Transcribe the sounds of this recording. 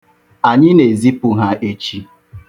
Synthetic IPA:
a˨ɲɪ˦ne˨zi˦pʊ˨ɦa˨ʔe˨t͡ʃi˦

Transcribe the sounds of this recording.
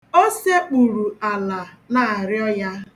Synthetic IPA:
o˦se˦k͡pu˨ɾu˨a˨la˨ | na˦˨a˨ɾɪ˦ɔ˦ja˦

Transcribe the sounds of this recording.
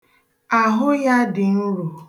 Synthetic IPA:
a˨ɦʊ˦ja˦dɪ˨n̩˦ɾu˨

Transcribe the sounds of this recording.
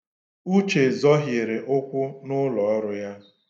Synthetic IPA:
u˦t͡ʃe˨zɔ˦ɦjɪ˨ɾe˨ʔʊ˦kʷʊ˦nʊ˦lɔ˨˦ɾʊ˦ja˦

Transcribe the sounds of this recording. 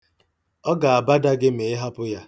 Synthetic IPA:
ɔ˦ɡa˨a˨ba˦da˦ɡɪ˦me˨ɪ˦ɦa˦pʊ˦ja˦

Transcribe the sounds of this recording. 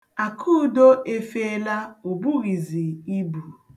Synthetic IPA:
a˨kʰu˦do˦ʔe˦fe˦e˦la˦o˨bu˦ɣi˨zi˨i˦bu˨

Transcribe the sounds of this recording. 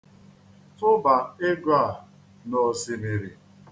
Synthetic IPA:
tʊ˦ba˨e˦ɡa˦˨ | nɔ˨si˨me˨ɾi˨

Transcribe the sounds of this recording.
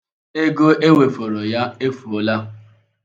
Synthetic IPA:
e˦ɡo˦ʔe˦we˨fo˨ɾo˨ja˦e˦fu˨o˦la˦

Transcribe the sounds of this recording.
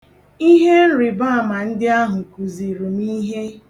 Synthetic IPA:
i˦ɦe˦n̩˦ɾɪ˨ba˦a˨ma˨n̩˦dɪ˦a˦ɦʊ˨ku˨zi˨ɾu˨mi˦ɦe˦

